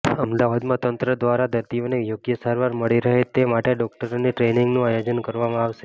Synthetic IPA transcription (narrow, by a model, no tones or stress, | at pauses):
əmd̪aʋad̪mãt̪ənt̪ɾəd̪ʋaɾad̪əɾt̪ijonejoɡjəsaɾʋaɾməɭiɾəɦet̪emaʈeɖɔk̚ʈəɾoniʈɾenɪŋɡnũajod͡ʒənkəɾʋamãaʋʃe